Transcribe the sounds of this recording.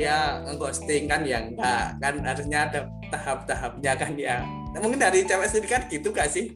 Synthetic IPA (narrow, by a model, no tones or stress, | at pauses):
jaəŋkɔst̪ɪŋkanjaŋɡakanaɾusɲada | t̪aɦap̚t̪aɦap̚ɲakanja | muŋkɪndaɾit͡ʃapɛsibikanɡ̥it̪uɡaʔsɪh